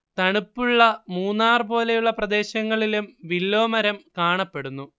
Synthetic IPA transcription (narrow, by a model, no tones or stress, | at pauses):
t̪ɐɳupːuɭːɐmuːnːaːrɨpo̞ːle̞juɭːɐprɐd̪e̞ːɕɐŋːɐɭilumʋilːo̞ːmɐɾɐmkaːɳɐpːe̞ɽunːu